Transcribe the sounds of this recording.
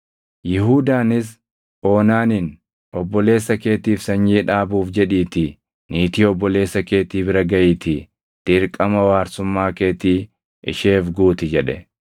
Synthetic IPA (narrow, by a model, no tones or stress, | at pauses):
jɪɦuːd̪aːnɪs | ʔo̞ːnaːnin | ɔbːɔle̞ːsːɐke̞ːt̪iːfsɐɲːiːᶑaːbuːfd͡ʒɛᶑiːt̪ɪ | niːt̪iːɔbːɔle̞ːsːɐke̞ːt̪iːbɪɾɐɡɐjiːt̪ɪ | t̪ɪɾkʼɐmɐwaːɾsʊmːaːke̞ːt̪iː | ɪ̰ʃeːfɡuːt̪ɪd͡ʒɛᶑɛ